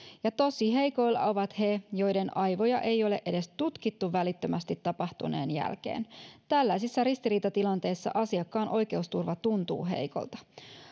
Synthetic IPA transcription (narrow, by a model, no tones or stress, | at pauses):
jɑt̪o̞siɦe̞jko̞jlːɑ̰o̞ʋɑt̪he̞jo̞jde̞nɑjʋo̞jɑʔe̞jo̞leʔe̞de̞st̪ut̪kit̪ːuʋælit̪ːømæst̪it̪ːɑpɑht̪ṵne̞̰ːnjæ̰lkḛːnt̪ælːæijsisːɑɾist̪iɾiːt̪ɑt̪ilɑnt̪e̞ːsːɑ̰ʔɑsiɑkːɑːnʔo̞jk̟e̞ust̪urʋɑt̪unt̪ṵːɦe̞̰jko̞̰lt̪ɑ̥